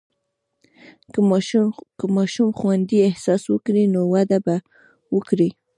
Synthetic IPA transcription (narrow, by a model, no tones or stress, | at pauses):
əmɑʃumxwand̪iehsɑswəkɾinowad̪aba | wəkɾi